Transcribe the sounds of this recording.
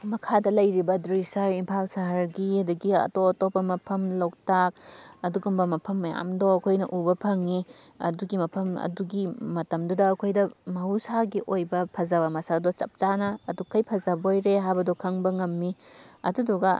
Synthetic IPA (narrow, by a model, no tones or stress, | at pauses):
mɐkʰadɐlɐjɾibɐdɾisaɾimpʰalsɐɦɐɾɡiɐduɡiɐ̰toɐtopːɐmɐpʰɐmlowk̚tak̚ɐduɡumbɐmɐpʰɐmːɐja̰mdoɐkʰojnɐʔubɐpʰɐŋi | ɐ̰duɡimɐpʰɐmɐ̰duɡimɐtɐmdudɐːkʰojdɐmɐɦusaɡiʔojbɐpʰɐzɐβɐmɐsadot͡ʃɐp̚t͡ʃanɐːdukʰːɐjpʰɐzɐbɐojɾeɦajbɐdokʰɐŋbɐŋɐmːi | ɐ̰duduɡɐ